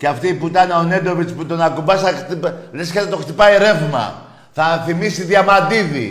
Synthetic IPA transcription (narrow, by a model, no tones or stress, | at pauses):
ceɐft̪iːput̪ɐneone̞d̪o̞vit͡sput̪o̞nɐkumbɐsɐxt̪ipvɾeskɐt̪et̪o̞xt̪ipɐiɾe̞vmɐ̰ | θɐθimisiðjɐmɐd̪iðḭ